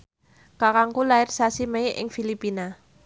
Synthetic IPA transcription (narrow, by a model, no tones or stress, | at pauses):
kakaŋkulaɪrsasimeɪʔɪ̰ŋfilipina